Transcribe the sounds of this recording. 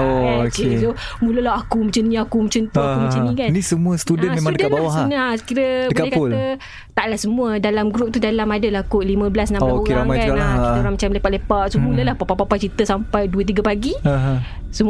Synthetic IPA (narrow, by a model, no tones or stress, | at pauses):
ookeso | mũləlaɦakumət͡ʃənĩakumət͡ʃənt̪uakumə̃t͡ʃənĩkannisəmuast̪udənmemaŋdədanbawaanaskiɾəbəbkaɛhkaolə | t̪aʔlahsəmũədalamɡɾup̚t̪udalamadəlahkolimə̃bəlasnãmaeɾaŋmajaalakitaoɾaŋmat͡ʃamlepaʔlepaʔsomuləlahpapapapat͡ʃit̪əsampajduət̪̬iɡapaɡiaɦ | səm